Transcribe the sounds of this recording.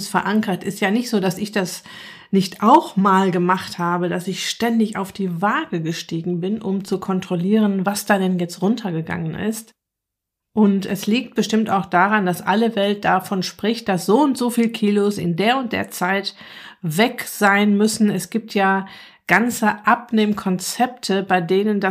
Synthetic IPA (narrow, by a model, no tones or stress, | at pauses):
sfɛɐʔaŋkɐtʔɪstjaːnɪçtz̥oːdasɪçd̥as | nɪçtaʊxmaːlɡəmaχthaːbədasɪçʃtɛndɪça̰ʊfd̥iːvaːɡəɡəʃtiːɡŋ̩bɪnʔʊmt͡sukʰɔntʁ̥oliːʁənvasd̥aːdɛnjɛt͡stʁʊntʰɐɡəɡa̰ŋənʔɪ̰st | ʔʊntɛsliːk̚t̚b̥əʃtɪmtaʊxd̥aːʁand̥asʔa̰ləvɛlt̚d̥afɔnʃpʁ̥ɪçt̚d̥asz̥oːʊntz̥oːfiːlkʰiːlosɪ̰ndeːɐʊnt̚d̥ḛːɐt͡saɪtvɛkz̥aɪnmʏsn̩ɛsɡ̥iːp̚tʰjaː | ɡ̥ant͡səʔap̚neːmkʰɔnt͡sɛp̚tʰəbaɪdeːnənda